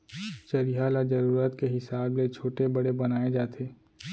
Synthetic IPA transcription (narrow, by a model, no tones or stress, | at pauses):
t͡ʃɐɾiɦalad͡ʒɐɾuːɾət̪keɦɪsaːblet͡ʃʰoːʈebɐɽebɐnaːed͡ʒaːt̪ʰeː